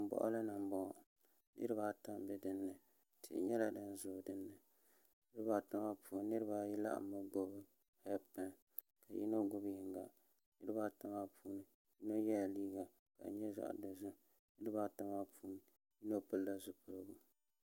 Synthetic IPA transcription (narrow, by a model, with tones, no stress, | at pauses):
m̩˨bɔ̰˨ʔʊ̰˦lɨ˦nɨ˨m˦bɔ˦˨ | nɨ̰˦ɾɨ˦ba˦ta˦mbɛ˨dɨ˦nːɨ˨ | tʰɨ̰˨ʔɲɛ˦la˨dɨ˦n˦zʊː˨dɨ˦nːɨ˨ | nɨ˦ɾɨ˦baː˨ta˦ma˦pʰuː˨n˦nɨ˦ɾɨ˦ba˦ji˦la̰˦ʔmːɨ˦ɡo˦bɨ˦ | ha˦pa˦˨ | ka˨ji˦no˦ɡʊ˦bjɪ˨ŋɡa̰˨ | nɨ˦ɾɨ˦baː˦ta˦ma˦pʰuː˦nɨ˨ | ji˦no˦jɛ˦lliː˦ɡa˨ | ka̰˨˦ɲɛ˦za̰˨ʔdɨ˨zu˦ | nɨ˦ɾɨ˦baː˦ta˦ma˦pʰuː˦nɨ˨ | ji˦no˦pɨ˦lla˦zʊ˦pʊ˨lɨ˦ɡu˦